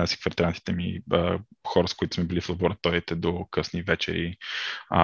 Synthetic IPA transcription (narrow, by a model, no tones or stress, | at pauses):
asi̥kfəɾt̪ɾant̪i̥t̪ɛmiəxɔɾəskʊit̪ʊsmɛbiliflˠəboɾɐt̪ɔit̪ɛd̪okɤsnivɛt͡ʃɛ̰ɾḭ